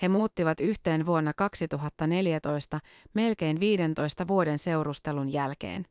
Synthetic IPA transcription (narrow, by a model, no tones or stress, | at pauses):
he̞muːt̪ːiʋɑt̪yçt̪e̞ːnʋuo̞nːɑkɑksit̪uɦɑt̪ːɑne̞ljæt̪o̞jst̪ɑ | me̞lk̟e̞jnʋiːde̞nt̪o̞jst̪ɑʋuo̞de̞nse̞wɾust̪e̞lunjælk̟e̞̰ːn